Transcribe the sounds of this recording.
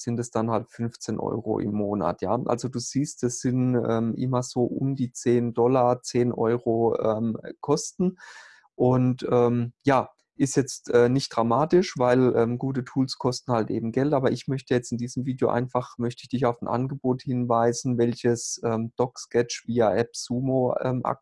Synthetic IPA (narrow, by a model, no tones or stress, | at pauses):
z̥ɪntɛsd̥anhaltfʏnft͡seːnʔɔ̰ʏʁo̰ʔɪ̰mːoːna̰tʰja̰ːʔa̰lzoduːz̥iːst̚d̥asz̥ɪnʔɛːmʔɪ̰mɐz̥oːʔʊmdiːt͡seːndɔlɐt͡seːnʔɔ̰ʏʁoʔɛːmkʰɔstn̩ | ʔʊntʔɛːmjaː | ʔɪstjɛt͡stʔɛːnɪçt̚d̥ʁ̥amaːtɪʃv̥aɪlʔɛːmɡuːtətʰuːlskʰɔstn̩haltʔḛːbm̩ɡɛltʔaːbɐʔɪçmœçtəjɛt͡stɪndiːzəmviːdjo̰ʔa̰ɪnfaχmœçtəɪçd̥ɪçaʊfn̩ʔa̰nɡəboːthɪnvaɪzn̩vɛlçəsʔɛːmd̥ɔkskɛt͡ʃviːaʔɛpz̥uːmoɛ̰ːmʔa̰k̚